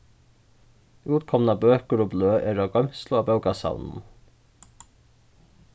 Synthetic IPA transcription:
uːt̪kʰɔmnɑbøːkəɾɔbløːʔɛɾaɡœmslʊaːbœʉkasa̰wnn̩

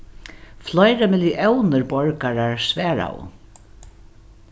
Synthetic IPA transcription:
flɔjɾamɪljiʔɛwnɪɹbɔɹkaɾaɹsvɛːɹa̰w̰

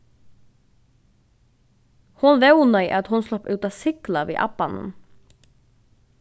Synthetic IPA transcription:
hʊnʋɛʊnœʏʔɑt̪hʊnslɔpʉːt̪ɑːsɪklɑʋḛːʔɑ̰pɑnə̰n

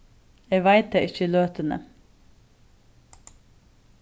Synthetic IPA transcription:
eːʋæɪt̪̚d̪eːʔɪçəløːt̪ənə̰

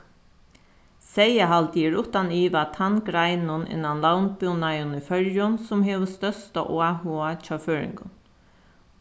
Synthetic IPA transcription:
sɛjaɦalt̪ɛɾʊht̪aniːʋat̪ʰanɡɾaɪnʊnɪ̰nanlawnbʏnajʊnəfœɾjʊnsʊmɦeːʋəst̪œst̪a̰ʔoahuat͡ʃɑːføːɹɪ̰ŋkʊ̰n

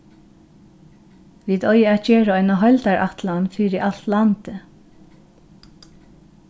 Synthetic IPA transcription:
ʋiːd̪ɔjəat̪t͡ʃeːɹaɔjnaɦœlt̪aɹʔa̰t̪lanfiːɾɪʔalt̪lant̪ə

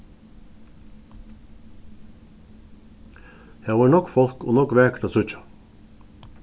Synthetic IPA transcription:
hæːʋɑːɳɔkfɔlko̰ːnɔkʋæːkɾɑsʉt͡ʃɑ̥

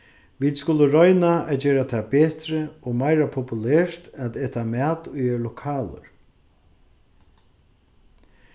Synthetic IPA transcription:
ʋiːd̪skʊləɾɔjnaɛt̪̚d͡ʒeːɾat̪ʰɛːbeːt̪ɾəɔmajɾapʰɔpʊlɛːɹt̪nat̪ɛːt̪amɛːt̪ʊjɛɾlʊkʰaːlə̰ɹ

